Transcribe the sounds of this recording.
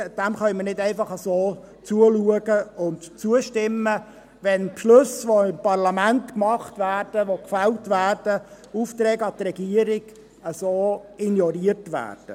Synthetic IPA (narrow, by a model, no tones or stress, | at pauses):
d̥æmχœʏmərnɪdɛɪfɑχəsoː | t͡suəluəɡəʊntt͡suəʃtɪmːə | ʋɛnpʃlɵsʋoɪmpɑrlɑmæntkmɑχtvæːrd̥əʋokfæltvæːrd̥ə | uft̪ɾɛːɡəɑt̪rɛɡ̥iəɾɪɡ̥ | əsoːinjɔɾiərtʋæ̰ːrd̥ə